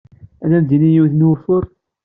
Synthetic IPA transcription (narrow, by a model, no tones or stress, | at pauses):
æðænd̪inijiwθnwəfʊɾ